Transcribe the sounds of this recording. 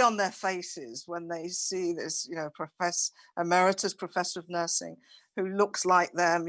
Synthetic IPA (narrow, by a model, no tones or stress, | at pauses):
ə̃nðə˞feɪsɪzwə̃nðeɪsiðɪsjɨnoʊpʰɹ̥əfɛs | ʔəmɛɹɪtʰəz̥pʰɹ̥əfɛsəɹʌvnɜˑ˞sɪ̰̃ŋ | hʉlʊkslaɪk̚ðə̃m